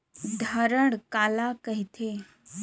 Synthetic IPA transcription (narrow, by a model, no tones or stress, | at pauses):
d̪ʱəɾəɽkaːlakəɦit̪ʰeː